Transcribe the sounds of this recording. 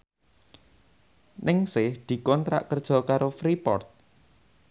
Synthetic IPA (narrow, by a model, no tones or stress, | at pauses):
nɪŋsɪhd̪̥i̤kɔnt̪ɾa̰ʔkərd̥ʒ̥ɔ̤kaɾofɾipɔ̰rt̪̚